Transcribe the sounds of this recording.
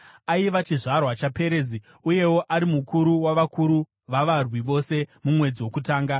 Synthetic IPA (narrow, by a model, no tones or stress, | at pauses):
aiʋat͡ʃiʐarwat͡ʃape̞ɾeːzi | uje̞wo̞ʔaɾimukuɾuwaʋakuɾu | ʋaʋarwiʋo̞se̞mumwe̞d͡ziwo̞kutaːŋɡa